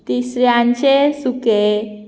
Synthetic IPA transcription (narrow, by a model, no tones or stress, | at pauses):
t̪isɾjãɲt͡ɕesuke